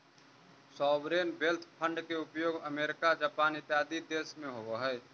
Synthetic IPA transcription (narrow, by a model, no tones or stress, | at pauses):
sɔːʋɾeːnbelt̪ʰpʰə̃ɳɖkeʊpjoːɡəmeːɾɪkad͡ʒaːpaːnɪt̪ːɪɦaːd̪id̪eːsmẽɦoːɡoɦɛː